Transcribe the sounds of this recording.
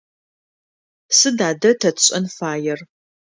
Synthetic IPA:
sɨdaːdɐtʰɐtɕʼɐnfaːjɛr

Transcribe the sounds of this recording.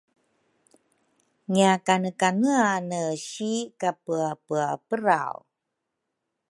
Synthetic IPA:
ɲjakanəkanəanəɕikapəapəapəɾa̰w

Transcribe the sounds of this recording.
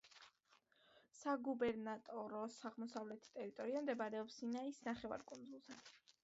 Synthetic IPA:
saɡubɛɾnat̪ʼɔɾɔsaʁmɔsavlɛt̪ʰt̪ʼɛɾit̪ʼɔɾiamd̪ɛbaɾɛɔpsinaisnaχɛva̰ɾkʼund̪zulˠzɛ

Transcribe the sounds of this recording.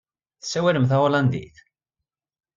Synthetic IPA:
θə̥sːæwæləmθæwaland̪ḭθ

